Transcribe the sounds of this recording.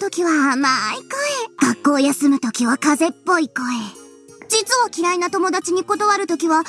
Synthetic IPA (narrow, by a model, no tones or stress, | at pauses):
t̪o̞kʲiβaːmaikoeɡ̥akːo̞ːjasɨmɯ̟t̪o̞kʲiβakaze̞pːo̞iko̞e | d͡ʑit͡sɨβakʲiɾainat̪o̞mo̞d̪at͡ɕiɲ̟iko̞t̪oβaɾɯ̟t̪o̞kʲiβa